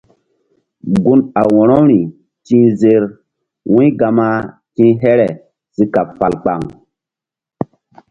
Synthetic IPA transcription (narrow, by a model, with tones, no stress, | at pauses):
ɡu˦na˨wɔ̃˨ɾɔ˦ɾi˨ | tĩː˦ze˦ɾ | wũ˦ɡa˨ma˦ | tĩ˦ɦɛ˦ɾɛ˨ | z̥i˦ka˨pfa˨lk͡pa˨ŋ